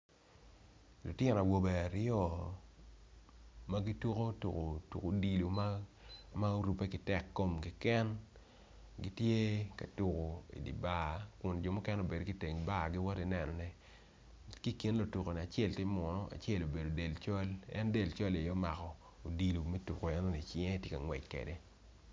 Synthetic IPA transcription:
lo˨tjɛ˦n˨a˨wo˨bɛ˨a˨ɾɪ˦ɔ˦ | ma˦ɡi˦tu˦ko˦tu˨ko˨tṵ˨ko˨di˨lu˨m˦ | ma˦o˦ɾu˨pe˦kɪ˨tɛ˦˨kːo˦mkɪ˨kɛ˦n | ɡi˦tje˦ka˨tu˨ko˨ḭ˨dḭ˨ba˦˨kʊ˨nd͡ʒo˨mɔ˦kɛ˦no˨be˨do˨ɡi˦te˨ŋ˨ba˦˨ɡɪ˦wɔ˦ti˨nɛ˨nɔ˨nɛ˦ | ki˦ki˨nlo˨tu˨ko˨nɛ˨a˨t͡ʃe˦˨ltje˦mɔ˨nɔ˦ʔa̰˨t͡ʃe˦˨lo˨be˨do˨de˨lt͡ʃɔ˦lɛ̰˦nde˦˨lt͡ʃɔ˦le˨jɔ˦ma˨kɔ˨ | o˨di˨lu˨mɛ˦tu˨ko˨ɛ˦nɔ˦ni˨t͡ʃɪ˦ɛ˦tjɪ˦ka˨ŋwɛ˨t͡ʃkḛ˨de˦

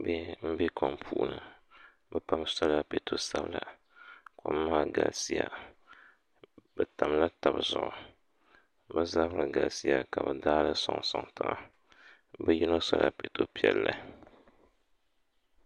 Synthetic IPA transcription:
be˦m̩˦be˦kʰɔ˨mpʰuː˨˦˨nɨ˨ | bɛ˦pa˦msɔ˦la˦pe˨tʰo˦sa˦bla˨ | ko˨˦maː˦ɡa˨lsi˦ja˦ | bɛ˨ta˨m˦la˦ta˨bzʊ˨ʔʊ˨ | bɛ˦za˦bɾɨ˨ɡa˨lsi˦ja˦ka˨bɨ˨daː˦lɨ˦sɔ˨ŋsɔ˨ŋtɨ˨ʔa˨ | bɛ˦ji˦no˦sɔ˦la̰˦pe˨to˦pi˦ɛ˨lːa˦

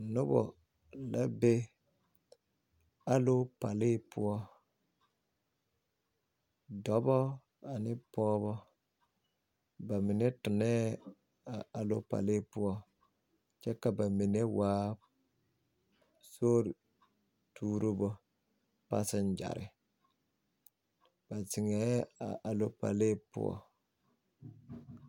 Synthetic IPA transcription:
nʊ˦bɔ̰˨ | la˦be˦ | a˦lo˦pa˨lɪ˦pʊ˦ɔ˦ | dɔ˨bɔ˦ | a˨nɪ˦pɔː˦βɔ˦ | ba˨mɪ˨nɛ˦tʊ˨nɛ˦ | a˨a˨lo˦pa̰˨lɪ˦pʊ˦ɔ˦ | t͡ʃɛ˦ka˨ba˨mi˨ne˦waː˦ | so˦ɾ | tʰuː˦ɾu˦bɔ˦ | pa̰˦sɪ˦n˦d͡ʒa̰˨ɾɪ̰˨ | b̥a˨sɪ˨ŋɛ˨˦a̰˨ʔa˨lo˦pa̰˨le˦pʊ̰˦ɔ̰˦

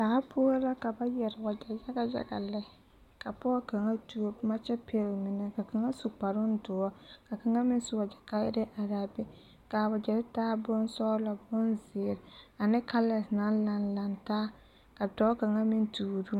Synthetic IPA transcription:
taː˨˦pʰʊ˦la˦ka˨ba˦jɛ˨ɾɪ˨ba˨d͡ʒa˨ja˦ɡa˦d͡ʒa̰˨ɡa̰˨lɛ˦˨ | ka˨pɔ˦ka˨ŋa˦tu˦o˦ma˦t͡ʃɛ˦pʰe˦lmɪ˦nɛ˨ka˨ka˨ŋa˦su˨k͡pa˨ɾʊ˦n˦dʊ˨ɔ˦ka˨ka˨ŋa˦mɪ˦n˦su˨wa˨d͡ʒa˨ka˦jɪ̰˦ɾɪ˦ʔa˨ɾa˦bɪ˦ | ka˨ba˨d͡ʒɛ˨ɾɪ˦taː˦bʊ˦nsɔː˦la˨bʊ˦nzɪː˨ɾa˨nɪ˦ka˦lɛ˨sna˦la˦nla˨ntaː˦ | ka˨dɔ˦ka˨ŋa˦mɪ˦ntu˨ɾu˦

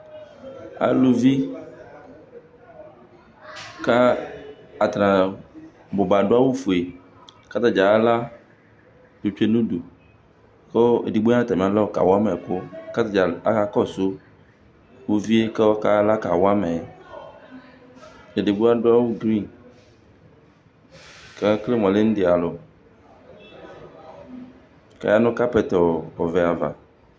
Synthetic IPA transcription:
a̰˨lu˦vi˦ | ka˦ | a˨t̪ɾã˨ | bo˨ba˨ɖo˦a˦wu˦fu˨e˨ | ka˦t̪a˦d͡ʒa˨˦la˦ | d̪u˨t͡ʃu˦e˦nũ˦du˨ | ke˦e˨di˨ɡ͡bo˦a˦t̪a˨mĩ˨ã˨lɔ˦˨ka̰˨wo˦a˦mɛ˨ko˦ka˦t̪a˨d͡ʒa˨a˦ka˦kɔ˦˨so˦ | wo˦vi˦e˦ke˦wɔ˦ka˦la˦ka˨wa˦mɛ˨ | e˨de˨bu˦a˦ɖo˦a˦wu˦ɡɾi˦˨n | ke˦kle˦mɔ̃˨le˦ñ̩˦d̪e˨a˨lo˨ | ka̰˨ja˦nʊ̃˦ka˦pɛ˨t̪ɔ˨ɔ˨ve˨a˨va̰˨

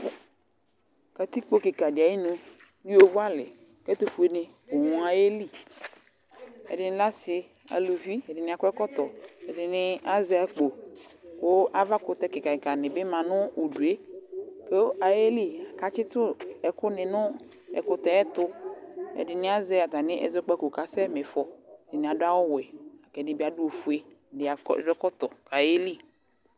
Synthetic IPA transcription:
ka˨t̪i˦k͡po˦kɪ˨ka˨dɪ˨a˨˦i˦nʊ˨ | ji˦o˦vʊ˦a˦lɪ̰˨ | kɛ˦t̪o˦fu˨e˨nɪ˨ | o˨wũ˨a˨je˦li˦ | ɛ̰˨dɪ˨nɪ˨la˦sɪ˨ | a̰˨lu˨vi˦ɛ˨dɪ˨nɪ̃˨a˨kʊ˦ɛ˦kɔ˦t̪ɔ˨ɛ˨dɪ˨nɪ˦a˦zɛ˨˦a˨k͡po˨ko˦ʔa˨va˦kʊ˨t̪ɛ˦kɪ˨ka˨ɪ˨ka˨nɪ̃˨bɪ˦mã˨nʊ˦u˨du˨e˦ke˦a˨je˦li˦a˨ka˨˦t͡ʃɪ˦t̪ʊ˦ɛ˨kʊ˦nɪ˨nʊ˦ | ɛ̰˨kʊ˨t̪ɛ˨ɛ˦t̪ʊ˦ɛ̰˨dɪ˨nɪ˦a˦zɛ˦a˨ta˨nɪ˦ʔɛ̰˨zɔ˦k͡pɛ˦ko˨ka˨sɛ˦me˨fɔ˨ɛ˨dɪ˨nɪ˨a˨dʊ˦a˦wɔ˦wɛ˨a˨kɛ˨dɪ˦bi˦a˨du˦o˨fu˨e˦˨dɪ˨˦a̰˨˦˨dɔ˦kɔ˦t̪ɔ˨ka˨je˦li˦

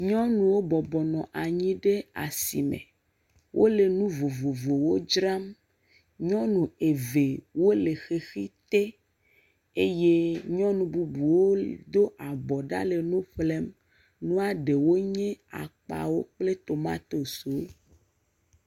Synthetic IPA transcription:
ɲɔ̃˦nũ˨wo˦bɔ˨bɔ˨nɔ̃˨ʔa˨ɲĩ˦ɖe˦a̰˨si˨mḛ̃˨ | wʔo̰˦le˨nũ˦vo˨vo˨vo˨wo˦d͡ʒɾa˦m | ɲɔ̃˦nũ˨e˨ve˨wo˦le˨xe˨xi˦t̪e˦ | e˦je˦ɲɔ̃˦nũ˨bu˨bu˨wo˦d̪o˦ʔa˨bɔ˨ɖa̰˦le˨nũ˦ɸle˦m | nũ˦a˨ɖe˨wo˦ɲɛ̃˦a̰˨k͡pa̰˨wo˦k͡ple˦t̪o˨mã̰˦t̪o˨so˨˦

